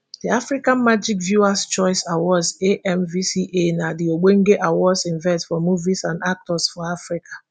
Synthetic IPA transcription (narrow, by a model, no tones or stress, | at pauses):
diafɹikãnmad͡ʒikvjuast͡ʃɔɪsawɔzeʔɛmvisiʔenadioɡ͡beŋ̩ɡeʔawɔdsĩɱvɛtfɔmuvisãndak̚tɔsfɔafɹikʰḁ